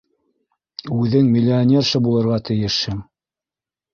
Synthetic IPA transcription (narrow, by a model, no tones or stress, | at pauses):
ʉðɘŋmʲilʲːionʲerʃɤbulˠɤ̆ɾʁɑt̪ɘ̆jɘ̆ʃhɘm